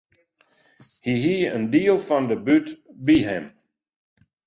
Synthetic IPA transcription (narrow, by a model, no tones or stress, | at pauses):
hiɦiəndiəlˠfɔndəbytbiɦɛm